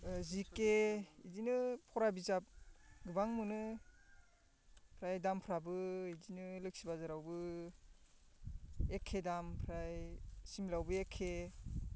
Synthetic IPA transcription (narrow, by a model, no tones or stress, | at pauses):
zikeidinɯpʰɔɾabizap̚ɡɯbaŋmunɯ | pʰɾajdampʰɾabɯidinɯlɯk̚sibazaɾawbɯ | ekʰːedampʰɾajsimlawbɯekʰːe